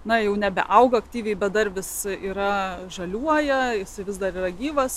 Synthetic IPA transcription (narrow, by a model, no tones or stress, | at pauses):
nɐjɛʊnʲɛbʲɛ̰ʔɐʊɡɐɐkt̪ʲiːʋʲɛɪbʲɛt̪̚d̪ɐrʋʲɪsiːɾɐʒɐlʲuɔjɛjɪsɐɪʋʲɪsd̪ɐɾiːɾɐɡʲiːʋɐs